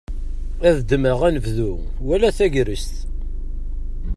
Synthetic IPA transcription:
æðd̪əməʁænəvðu | wælæθæʝɾəst̪

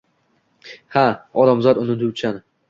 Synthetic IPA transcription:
haɒd̪amzɒd̪ʊnɪd̪ʊwt͡ʃʰan

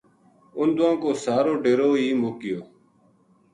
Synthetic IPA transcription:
ʊnd̪ʊʋãːkoːsaːɾoːɖeːɾoːiːmoːkɪjoː

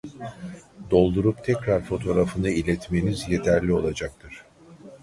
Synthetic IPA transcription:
d̪o̞lˠd̪uɾupt̪ʰɛcɾaɾfo̞t̪ʰo̞ɾafɯnd̪ailʲɛt̪me̞nizje̞t̪ʰæɾlʲio̞lˠad͡ʒak̚t̪ʰɯɾ̝̥

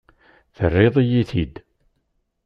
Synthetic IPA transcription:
θərːɪðˤijiθid̪

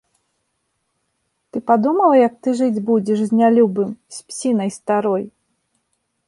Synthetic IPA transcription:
t̪ɨpad̪umɐlˠɐjɐk̚t̪ɨʐɨd͡zʲbud͡zʲɛʂzʲnʲalʲubɨmsʲpʲsʲinɐjst̪aɾɔj

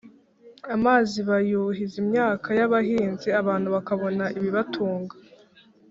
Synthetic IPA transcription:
amaːziβajuɦizimɲaːkʰajaβaɦiːnziaβaːn̥huβakaβo̞naʔiβiβatʰuːŋɡa

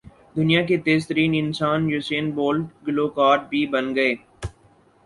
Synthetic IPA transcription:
d̪ʊnijaket̪eːzt̪əɾiːnɪnsaːnjuːseːnboːlʈɡloːkaːɾʈ̚bʱibənɡəeː

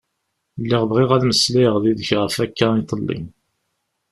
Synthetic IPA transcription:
lːiʁbʁiʁælməsliʁðiðəçʁəfækːæit̪ˤəlːḭm

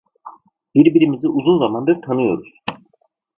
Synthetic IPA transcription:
b̥iɾbiɾimiziʔuzunzamand̪ɯɾt̪ʰanɯjo̞̰ɾuz̥

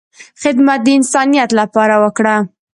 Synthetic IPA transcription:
xɪd̪mat̪̚d̪əɪnsɑnijat̪lapɑɾawəkɽa

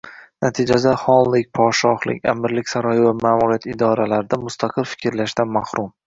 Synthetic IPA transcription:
nat̪ʰid͡ʒasahɒlˠlɪk̚ʲpʰɒʃɒχlɪ̰kʲa̰mɪɾlɪkʲsaɾɒjɪvamaːmuɾijat̪ɪd̪ɒɾalaɾɪd̪amʊst̪ʰaqʰɨlfɪ̥kʲɾlaʃd̪anmahɾʊm

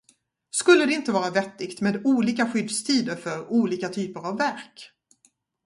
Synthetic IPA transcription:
skɵlːəd̪ɛɪnt̪əvɑːɾavɛt̪ːɪɡt̪meːd̪uːliːkaɧʏd̪st̪ʰiːd̪əɾfœɾuːliːkat̪ʰyːpəɾavːæɾk

